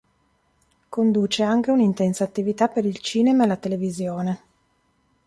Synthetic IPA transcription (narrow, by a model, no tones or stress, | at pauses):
kond̪uːt͡ʃeaŋk̟eunint̪ɛnsaːt̪ːivit̪apːeɾilt͡ʃiːnemaelat̪elevizjoːne